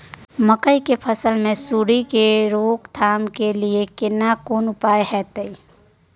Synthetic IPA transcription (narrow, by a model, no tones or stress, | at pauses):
məkəikepʰəsəlmẽsuːɾikeɾoːɡt̪ʰaːmkeliekɪnakoːnʊpaːjɦɛːt̪əi